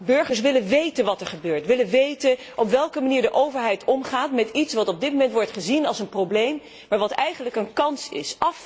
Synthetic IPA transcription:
bɵɹχəɹs̬ʋɪlənʋejtənʋɑtɛɹχəbøːɹtʋɪlənʋejtən | ʔɔpʋɛlˠkəmaniːɹdəʔowvəɹɦɛjtʰɔmχaːtmɛtitsʋɑtɔb̚dɪt̚mowmɛntʋɔɹtχəzinɑlˠsənprowblejm | maːɹʋɑtɛjχənləkənkɑnsɪ̰sɑf

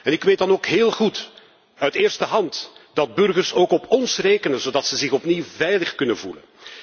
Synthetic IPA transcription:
ɛnɪkʋeːtdɑnoːkɦeːlˠχut | œɥtɪːrstəɦɑntd̥ɑd̚bɵrɣərsoːkɔpʰɔnsreːkənənzoːdɑtsəzɪxɔpniwvɛjləxkɵnənvṵlə̰n

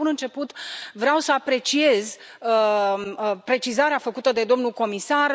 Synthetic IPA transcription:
unɨnt͡ʃe̞put̪vɾeawsəapɾe̞t͡ʃie̞z | ə | pɾe̞t͡ʃizaɾeafəkut̪əd̪e̞d̪o̞mnulko̞misar

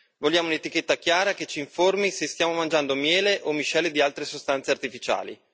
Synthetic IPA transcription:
volʎːjaːmounet̪iket̪ːakjaːɾaket͡ʃːiːɱformisest̪jaːmomand͡ʒand̪omjɛːleʔomːiʃɛlːed̪ialt̪ɾesost̪ant̪seart̪ifit͡ʃa̰ːlḭ

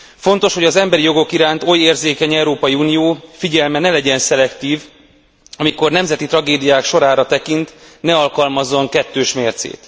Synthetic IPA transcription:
fo̞n̪t̪o̞ʃho̞ɟɒzɛmbɛɾijo̞ɡo̞kiɾaːnt̪o̞jeːrzeːkɛɲɛuɾoːpɒjiunijoːfiɟɛlmɛnɛlɛɟɛnsɛlɛkt̪iːv | ɒmiko̞rnɛmzɛt̪it̪rɒɡeːd̪ijaːkʃo̞ɾaːɾɒt̪ɛkint̪nɛɒlkɒlmɒzːoŋkɛt̪ːøːʃmeːrt̪sḛːt̪

